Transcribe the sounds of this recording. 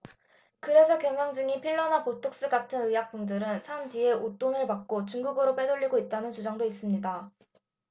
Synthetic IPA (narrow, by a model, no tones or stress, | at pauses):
kɯɾe̞sʰʌkjʌŋjʌŋd͡ʑɯŋipʰiɭːʌnapotʰok̚s͈ɯɡatʰɯnɯjak̚p͈undɯɾɯnsʰand͡ʑie̞ot͈onɯɭpak̚k͈ot͡ɕuŋɡuɡɯɾop͈e̞doʎːiɡoit̚t͈anɯnt͡ɕud͡ʑaŋdois͈ɯmɲida